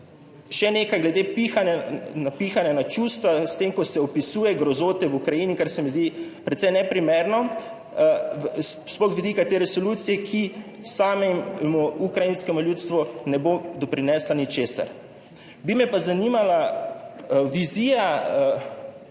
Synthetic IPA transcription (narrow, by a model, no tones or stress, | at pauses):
ʃɛneːkajɡlɛd̪epixananapixanjanat͡ʃust̪ʋast̪emkɔsɛɔpisuːjɛɡɾɔzoːt̪ɛwukɾajiːnikaɾsɛmizd̪ipɾɛt̪sɛjnɛpɾimeɾnɔ | spɔxʋid̪ikat̪eɾɛsɔluːt̪sijɛkʰi | samɛmmuukɾajinskɛmuljuːt̪st̪ʋunɛbod̪ɔpɾinɛslanit͡ʃeːsa̰ɾ | bimɛpazanimala | ʋiziːja